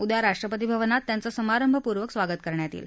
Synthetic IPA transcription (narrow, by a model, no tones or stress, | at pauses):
ud̪jaɾaʂʈɾəpət̪ibʱəʋənat̪ːjant͡səsəmaɾəmbʱəpuɾʋəksʋaɡət̪̚kəɾɳjat̪ḭːl